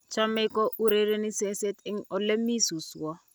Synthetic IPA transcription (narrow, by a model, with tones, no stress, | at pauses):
t͡ʃʰa˦mɛ˦kɔ˦ʔu˦ɾe˦ɾe˦ni˦se˦se˦tɪ˦ŋ̩˦ɔ˨le˦mi˦su˨swɔ˦